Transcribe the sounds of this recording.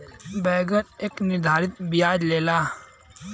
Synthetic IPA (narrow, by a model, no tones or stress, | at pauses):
bɛːɡəɾeːknɪɾd̪ʱaːɾɪt̪bɪjaːd͡ʒleːlaː